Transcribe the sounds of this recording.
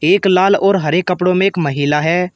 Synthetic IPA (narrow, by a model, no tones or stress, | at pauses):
eːklaːlɔːɾɦɐɾekːɐpɽõmẽeːkmɐɦiːlaɦɛː